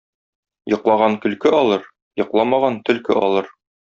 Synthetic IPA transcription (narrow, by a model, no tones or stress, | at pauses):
jɤ̆qlˠɑʁɑnkɵ̆lkɘɒlˠɤɾ | jɤ̆qlˠɑmɑʁɑnt̪ɵ̆lkɘ̰ʔɒ̰lˠɤɾ